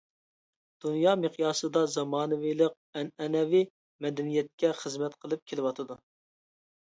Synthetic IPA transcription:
d̪̥unjɑmɨqʰjɑːsɨd̪ɑzɑmɑːnɨvilˠəq̚ɛnɛnɛvi | mɛd̪ɛnijɛt̪̚kʲɛχəzmɛt̪qʰəlˠɨp̚kʲʰelɪwɑt̪ʰɨd̪u

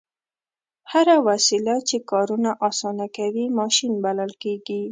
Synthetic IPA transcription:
haɾawasilat͡ʃekɑɾunaʔɑsɑnakawimɑʃinbalalkeɡi

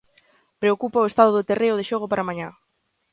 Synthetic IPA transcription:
pɾeokupaoest̪aðʊðʊt̪ereʊð̞eʃoɣ̞opaɾamaɲa

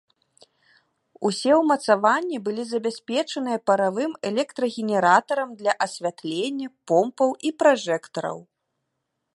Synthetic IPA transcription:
usʲɛwmɐt̪savanʲːibɨlʲizɐbʲasʲpʲɛt͡ʂɐnɨjɐpɐɾavɨmɛlʲɛkt̪ɾɐɣʲɛnʲɛɾat̪ɐɾɐmd̪lʲɐʔɐsʲvʲat̪lʲenʲːɐpɔmpɐwipɾaʐɛkt̪ɐɾɐ̰w

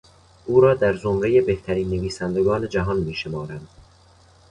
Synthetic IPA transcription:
ʔuːɾɒːd̪æɾzomɾe̞je̞be̞ht̪ʰæɾiːnːe̞viːsænd̪e̞ɡɒːne̞d͡ʒæɦɒnmiːʃe̞mɒːɾænd̪̥

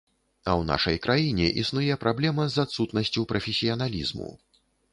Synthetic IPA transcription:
ɐwna̰ʂɐjkɾʔajinʲɛʔisnujɛpɾablʲɛmɐzat̪sut̪nɐsʲt͡sʲuwpɾɐfʲesʲiɐnalʲḭzmṵ

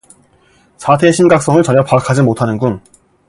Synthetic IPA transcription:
satʰe̞ɕʰinɡak̚s͈ʌŋɯɭt͡ɕʌɲjʌpakʰad͡ʑimotʰanɯnɡun

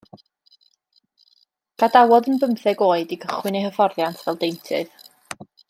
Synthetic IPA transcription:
ɡ̥adawɔðənbəmθɛɡoːɨdiɡəχwɨnejhəfɔrðjantʰvɛlˠdejntʰɨ̰ð

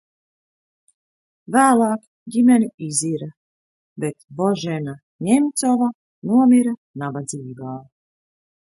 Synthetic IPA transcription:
væːlˠaːk | ɟimʲɛnʲiiziɾa | bet̪bɔʒɛna | ɲemʲt̪sɔva | nuɔmʲiɾa | nabad̪ziːɡaː

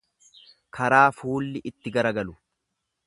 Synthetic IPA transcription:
kʰɐɾaːfuːlːɪʔɪt̪ːɪɡɐɾɐɡɐlʊ

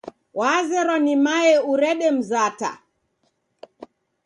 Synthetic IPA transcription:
wazɛɾɔnimajɛuɾɛɗɛm̩zata̰

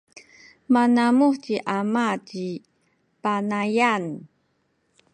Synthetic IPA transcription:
manamuht͡ɕiʔamat͡ɕi | panajan

